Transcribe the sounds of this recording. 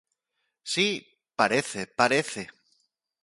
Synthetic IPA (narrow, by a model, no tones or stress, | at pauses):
si | paɾe̞θepaɾeθe